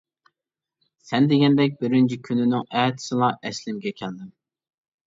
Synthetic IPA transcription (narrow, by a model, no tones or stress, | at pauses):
sɛnd̪eɡʲɛnd̪ɛk̬̚ʲbɪɾɪnt͡ʃʰikʲʰynynɪŋɛːt̪ʰɪ̥sɨlˠɑʔɛslɪmɡʲɛkʲʰɛld̪ɪm